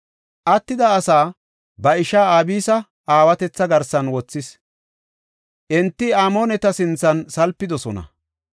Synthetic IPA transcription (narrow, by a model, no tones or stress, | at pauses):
ʔɐt̪ːɪd̪ɐːsaː | bɐɪʃaːaːbiːsɐ | aːwɐt̪ɛt͡sːɐɡɐɾsɐnwɔt͡sːɪs | ʔɛnt̪ːɪaːmoːnɛt̪ɐsɪnt͡sːɐnsɐlpːɪd̪ɔsɔnɐ̰